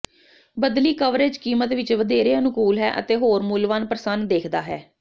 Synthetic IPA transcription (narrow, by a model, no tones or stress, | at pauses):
bəd̪liːkəʋɾeːd͡ʒkiːmət̪ʋɪt͡ʃʋəd̪eːɾeːənʊkuːlɦɛ̰ːʔə̰t̪eːɦoːɾmuːlʋənpɾəsənd̪eːkʰd̪aːɦɛː